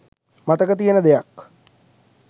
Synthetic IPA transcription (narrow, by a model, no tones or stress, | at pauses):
mat̪əkət̪̬ijənəd̪ejak